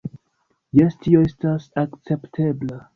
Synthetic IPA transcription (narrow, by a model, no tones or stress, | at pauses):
jestʰio̞estasakt͡se̞ptʰe̞bla